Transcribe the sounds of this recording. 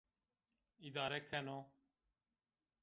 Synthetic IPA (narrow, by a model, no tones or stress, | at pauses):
id̪aːɾɛkʰɛnoː